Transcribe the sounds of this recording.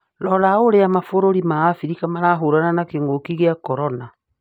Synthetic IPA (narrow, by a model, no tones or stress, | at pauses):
lɔlaoɾeamafoɾoɾimaːfiɾikamaɾaɦoɾananakeŋɡokiɣeakɔɾɔna